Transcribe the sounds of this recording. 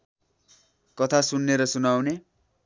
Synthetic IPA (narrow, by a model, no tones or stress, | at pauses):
kʌt̪ʰasunːeɾʌsunawne